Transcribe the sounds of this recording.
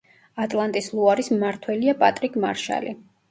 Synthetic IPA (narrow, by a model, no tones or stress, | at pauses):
at̪ʼlˠant̪ʼislˠuaɾismaɾt̪ʰwɛliapʼat̪ʼɾikʼmaɾʃa̰li